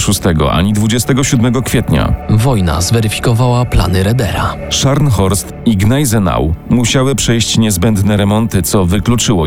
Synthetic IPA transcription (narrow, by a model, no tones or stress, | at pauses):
ʂust̪ɛɡɔ̰ʔa̰ɲid̪vud͡ʑɛst̪ɛɡɔɕud̪mɛɡɔkfʲjɛt̪ɲa̰vɔjna̰zvɛɾɘfʲi̥kɔvawapla̰nɘɾɛd̪ɛɾa | ʂaɾnxɔɾst̪iɡnajzɛna̰wmuɕawɘpʂɛjɕt͡ɕɲɛzbɛnd̪nɛɾɛmɔnt̪ɘt̪sɔvɘklut͡ʂɘwɔ